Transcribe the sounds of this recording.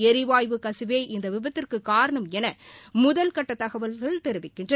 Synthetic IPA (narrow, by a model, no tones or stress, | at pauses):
ɛɾɪʋaːjʋɯkɐsɪʋeːʔɪnd̪ɐʋɪbɐt̪ːɪrkɯkːaːɾɐɳɐmɛnɐmʊðɐlkɐʈːɐt̪ːɐɣɐʋɐlɣɐɭt̪ɛɾɯʋɪkːɪndrɐ